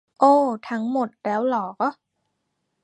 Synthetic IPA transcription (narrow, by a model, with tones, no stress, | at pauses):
ʔoː˧˩t̪ʰa˦˥ŋmo˨˩t̪̚ɾɛː˦˥wlɔː˨˩kɔ˦˥˩